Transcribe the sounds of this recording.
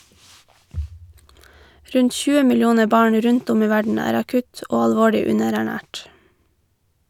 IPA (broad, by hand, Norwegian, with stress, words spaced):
ˈɾʉɲt ˈçʉːə mɪlˈjuːnə ˈbɑːɳ ˈɾʉnt ˈʊm ˈiː ˈʋæɖɳ̩ ˈæːɾ ɑˈkʉt ˈoː ɑlˈʋoːɭʏ ˈʉnəɾæˌɳæːʈ